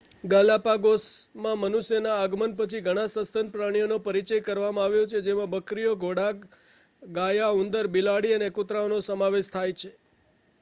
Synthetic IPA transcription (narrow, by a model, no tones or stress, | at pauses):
ɡalapaɡosmãmənuʃjənaːɡmənpət͡ʃʰiɡʱəɽ̃ãsəst̪ənpɾəɽ̃ijonopəɾit͡ʃəjkəɾʋamãaʋjot͡ʃʰed͡ʒemãbəkɾijoɡʱoɽak | ɡajaund̪əɾbilaɽiənekʊt̪ɾaonosəmaʋeʃt̪ʰajt͡ʃʰe